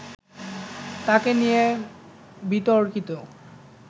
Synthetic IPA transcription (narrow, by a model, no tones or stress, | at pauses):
t̪akenije | bit̪oɾkit̪o